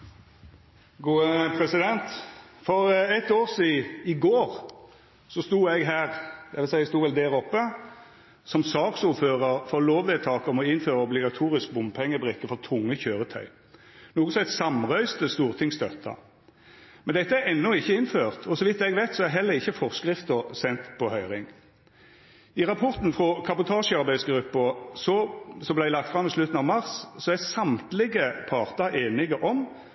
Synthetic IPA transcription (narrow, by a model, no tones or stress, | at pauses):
ɡuːəpʰɾɛsɪd̪ɛnt̪fɔʁɛt̪oːʁsiːɪɡoːʁ | sɔst̪uːɛɡɦæːʁd̪ɛʋɪlsɛɪst̪uːʋɛld̪æːɾɔpːə | sɔmsɑːksuːføːʁəɾfɔʁloːʋʋɛːt̪ʰɑːkɔmɔɪnːføːʁəɔblɪɡɑt̪ʰuːɾɪsk̚bʊmpʰɛŋːəbʁɪkːəfɔʁt̪ʰʊŋːəçøːʁət̪ʰœ̰ʏ | nuːɡəsɔɛt̪sɑmʁœʏst̪əst̪uːʁt̪ʰɪŋst̪œt̪ʰːɑ̰ | mɛnd̪ɛt̪ːəæɾɛnːɔɪçːəɪnføːʁt̪ʰɔsɔʋɪt̪ːɛɡʋæɪt̪sɔæɦɛlːəʁɪçːəfɔʁskʁɪft̪əsɛnt̪pʰɔhœʏʁɪŋ | ɪʁɑpʰɔʁt̪nfʁɔkʰɑbʊt̪ʰɑːʂəɑʁbæɪd̪sɡɾʉpːəsɔsɔmblæɪlɑk̚t̪fʁɑmːislʉt̪n̩ɑʋmɑʁssɔæsɑmt̪lɪɡəpʰɑːʁt̪ɑʔeːnɪɡəʔɔm